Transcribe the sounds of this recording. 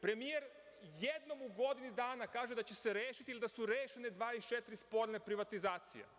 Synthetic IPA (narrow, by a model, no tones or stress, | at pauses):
pɾe̞mijeɾ | jed̪no̞muɡo̞d̪inid̪aːnakaːʒed̪at͡ɕe̞se̞ɾjeːʃit̪ilid̪asuɾeːʃened̪ʋaːit͡ʃet̪ɾispo̞ɾnepɾiʋat̪izaːt̪sḭjḛ